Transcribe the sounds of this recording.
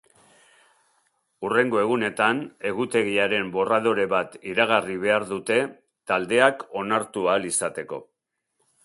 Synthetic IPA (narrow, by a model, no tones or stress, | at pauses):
ure̞ŋɡo̞e̞ɣ̞une̞t̪ane̞ɣut̪e̞ɣ̞iaɾe̞mbo̞rað̞o̞ɾe̞βat̪iɾaɣ̞ariβe̞aɾðut̪e̞ | t̪ald̪e̞ako̞naɾt̪ualisat̪e̞ko̞̰